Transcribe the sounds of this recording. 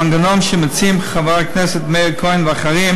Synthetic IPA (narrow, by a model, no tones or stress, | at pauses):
nɡənɔmʃɪmɪt͡simχavaɾknɛsətmeɪɾkʰɔɪnvaχaɾim